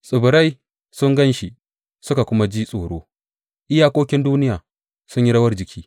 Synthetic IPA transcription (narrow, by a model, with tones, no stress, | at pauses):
sʼʊ˨bʊ˨ɾa˦j | sʊ˦ŋɡɐ˦nʃi˨ | sʊ˦ka˨kʷʊ˦ma˦d͡ʒiː˦sʼoː˨ɽoː˦ | ʔɪ˦jaː˦kʷoː˦kʲɪ˦nduː˦nɪ˦jaː˨ | sʊ˦ɲji˦ɽɐ˦wɐ˦rd͡ʒɪ˨kʲiː˦